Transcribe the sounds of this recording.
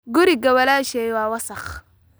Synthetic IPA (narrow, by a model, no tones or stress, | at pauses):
ɡuɾiɡawalaʃejwawasax